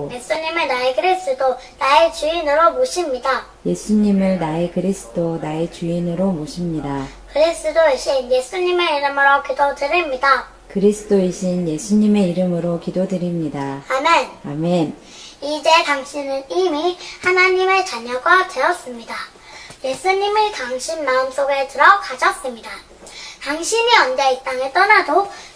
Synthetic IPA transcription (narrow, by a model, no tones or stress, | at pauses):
je̞sʰuɲimɯɭnaekɯɾis͈ɯdonaet͡ɕuinɯɾomoɕʰimɲida | je̞sʰuɲimɯɭnaekɯɾisʰɯ̥donaet͡ɕuinɯɾomoɕʰimɲida | kɯɾis͈ɯdoiɕʰinje̞sʰuɲime̞iɾɯmɯɾokidodɯɾimɲida | kɯɾisʰɯ̥doiɕʰinje̞sʰuɲime̞iɾɯmɯɾokidodɯɾimɲidaame̞name̞n | id͡ʑe̞taŋɕʰinɯnimihanaɲime̞t͡ɕaɲʌɡateʌs͈ɯmɲida | je̞sʰuɲimɯɭtaŋɕʰinmaɯms͈ʰoɡetɯɾʌkad͡ʑʰʌs͈ɯmɲida | taŋɕʰiɲiʌnd͡ʑeik̚t͈aŋet͈ʌnado